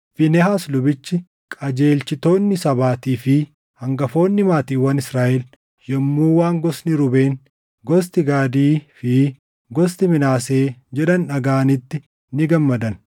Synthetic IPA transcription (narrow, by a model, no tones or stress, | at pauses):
fɪnɛɦaːslʊbɪt͡ʃːɪ | kʼɐd͡ʒe̞ːlt͡ʃɪt̪o̞ːnːɪsɐbaːt̪iːfɪ | hɐŋɡɐfo̞ːnːɪmaːt̪iːwɐnɪsɾaːʔɛl | jɛmːuːwaːŋɡɔsnɪɾʊbe̞ːn | ɡɔs̬t̪ɪɡaːd̪iːfɪ | ɡɔs̬t̪ɪmɪnaːse̞ːd͡ʒɛᶑɐnᶑɐɡaːnɪt̪ːɪ | nɪɡɐmːɐd̪ɐn